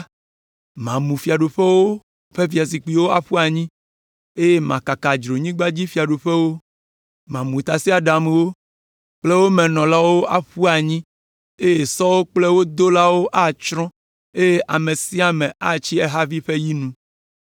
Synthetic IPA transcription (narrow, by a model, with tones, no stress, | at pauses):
mã˨mũ˨fi˨a˨ɖo˨ɸɛ˦wo˦ | ɸe˦vi˨a˨s̬i˨k͡pi˨wo˦a̰˦ɸu˦a˨ɲĩ˦ | e˦je˦mã̰˨ka˨ka˨d͡ʒɾo˨ɲĩ˦ɡ͡ba˦d͡ʑi˦fi˨a˨ɖo˨ɸɛ˦wo˦ | mã˨mũ˨t̪a˨si˦a˨ɖa˨mẽ˨wo˦ | k͡ple˦wo˦mɛ̃˨nɔ̃˨la˦wo˦ʔa˦ɸu˦a˨ɲĩ˦ | e˦je˨sɔ˦wo˦k͡ple˦wo˦d̪o˦la˦wo˦ʔa˦˨t͡ʃɾɔ̃˦ | e˦je˦ʔa˨me˨si˦a˨mɛ̃˨a˦t͡ɕi˦ɛ˦ɦa˦vi˦ɸe˦ji˦nũ˦